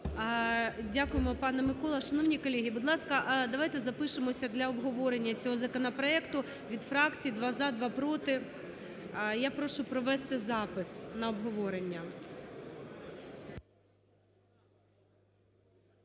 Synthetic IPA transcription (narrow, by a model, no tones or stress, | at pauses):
dʲakʊjemɔpɑnɛmɪkɔlˠɐʃɐnɔʋnʲikɔlʲeɦʲibʊd̪lˠɑskɐʔd̪ɐʋɑjt̪ɛzɐpɪʃemɔsʲɐd̪lʲɐɔbɦɔʋɔɾenʲːɐt͡sʲɔɦɔzɐkɔnɐpɾɔɛkt̪ʊ | ʋʲid̪fɾɑkt͡sʲijid̪ʋɑzɑd̪ʋɑpɾɔt̪ɪ | japɾɔʃʊpɾɔʋɛst̪ɪzɑpɪsnɐɔbɦɔʋɔɾenʲːɐ